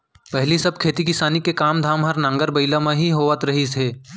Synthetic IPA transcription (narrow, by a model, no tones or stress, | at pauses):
pɛɦlisɐb̚kʰeːt̪ikɪsaːnikekaːmd̪ʱaːmɦɐɾnãːŋɡəɾbɐɪlamẽɦiɦoːʋət̪ɾɐɦisʰeː